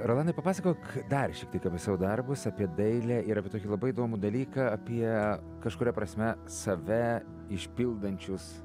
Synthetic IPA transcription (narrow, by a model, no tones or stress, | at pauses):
ɾolˠɑːnɐɪpɐpɑːsɐkoːkd̪ɐrʃʲɛkt̪ʲiɛkɐpʲɛsɑʋʊd̪ɐrbʊsɐpʲiɛd̪ɐɪlʲæɪɾɐpʲiɛt̪oːkʲɪlˠɐbɐɪiːd̪oːmud̪ɐlʲiːkɐɐpʲiɛ | kɐʃkʊɾʲɛpɾɐsʲmʲɛ | sɐʋʲɛ | ɪʃʲpʲɪlˠd̪ɐnʲt͡ʃʲʊs